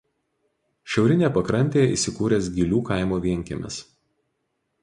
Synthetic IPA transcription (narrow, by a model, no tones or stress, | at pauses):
ʃʲɛʊɾʲɪnʲeːpɐkɾɐnʲt̪ʲeːjɛḭːˑsʲɪkuːɾʲes̬ɡʲɪlʲuːkɐˑɪmoːʋʲiɛŋʲkʲḛmʲɛ̰s